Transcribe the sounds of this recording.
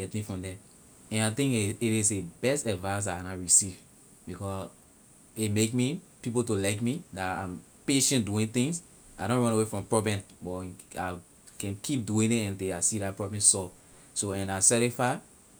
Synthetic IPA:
ɡɛtmifɹɔ̃mdɛ̃ | ɛ̃naɪt̪ĩŋkiɾisebɛstɛdvãns̬anaɹisiv | bikɔ | itmekmipipotolaɪkmidatãm | peʃɛ̃ntduĩnt̪ĩŋs | aɪɾɔ̃nɹɔ̃nawefɹɔ̃mpɹɔbɛ̃ntbɔa | kɛ̃nkʰip̚duĩnitɛ̃nteasidat̚pɹɔbɛ̃nsɔ | soɛ̃nasɛɾifaɪ

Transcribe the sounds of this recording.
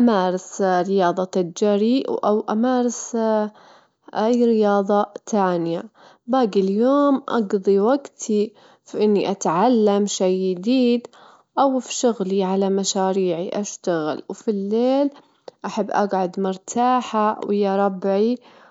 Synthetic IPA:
ʔamaːɾˤɪsɾɪjɑːðˤɑt̪ad͡ʒaɾiʔwʔawʔamaːɾˤɪs | ʔajɾɪjɑːðˤɑt̪aːnɪja | baːɡiljoːmʔɑ̰ɡd̪ˤiwaɡt̪ʰi | fʔɪnːiʔat̪ʕalːamʃajːɪd̪iːd̪ | ʔawfʃʊɣliʕalamaʃaːɾiːʕiʔaʃt̪aɣɪ̰lwfilːeːl | ʔaħabːʔaɡʕʊd̪mʊɾt̪ʰaːħawɪjːaɾˤɑbʕi

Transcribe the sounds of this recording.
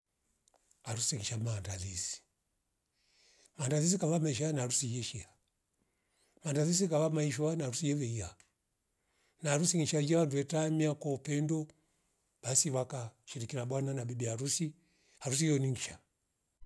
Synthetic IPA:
aɾusiŋiʃamaːndaðisi̥ | maːndaðis̬ikaβamaiʃ̬aanaːɾusijɛʃia | mandaðis̬ikavamaiʃɔanaɾusijɛvɛia | naːɾusiŋiʃad͡ʒɛwanduɛtamiakɔupɛndɔ | b̥asiwakaʃiɾikinabwananabibiaɾusi | haɾus̬ijɔniŋ̩ʃa

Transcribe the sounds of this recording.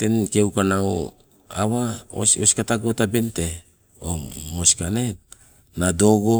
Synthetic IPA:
te̞nkewkanao | awao̰soskataɡotabente̞ | omoskane̞ | nado̞ɡo

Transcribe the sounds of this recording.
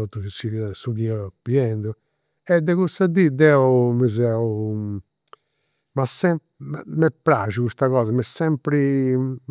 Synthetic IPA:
ot̪ːusisuɣiapiɛnd̪u | ɛd̪ːɛɣusad̪id̪ɛumuzɛu | masɛm | mɛpːɾaʒuɣust̪aɣɔːzɐmɛsːɛmpɾi

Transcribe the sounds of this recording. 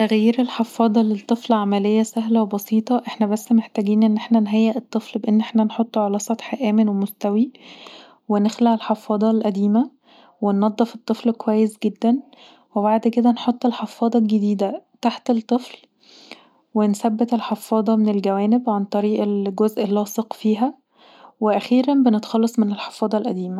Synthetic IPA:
t̪æɣjjiːɾelħefːɑːd̪ˤɑlet̪ˤːɨflʕamælejːæsæɦlæwebɑsiːt̪ˤɑʔeħnæbæsːmeħt̪æːɡiːnʔenːʔeħnænɦæːjːæʔet̪ˤːeflbeʔenːʔeħnænħot̪ˤːʕelæːsˤɑt̪ħʔæːmenwemost̪æwi | wenexlaʕelħefɑːd̪ˤɑlʔæd̪iːmæ | wenːɑd̪ˤːefet̪ˤːeflkowæjːesɡed̪ːæn | weβaʕd̪ked̪ænħot̪ˤːelħefɑːd̪ˤɑlɡed̪iːd̪æt̪aħt̪elt̪ˤːefl | wensæbːet̪elħefːɑːd̪ˤɑmenelɡæwæːnebʕant̪ˤɑɾiːʔelɡozʔelːɑːsˤeqfiːɦæ | weʔæxiːɾæmbenet̪ɑ̥xɑlːɑsˤmenelħe̥fɑːd̪ˤɑlʔæd̪iːmæ

